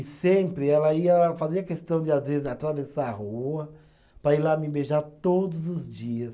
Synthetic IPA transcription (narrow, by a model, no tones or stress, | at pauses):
ɪsẽpɾɪɛlɐiɐfaziɐkest̪ɐ̃w̃d͡ʒ̪ɪazvezɪzat̪ɾavesaahuɐ | pɾɐilamɪbeʒaɾt̪od̪ʊzʊzd͡ʒiɐs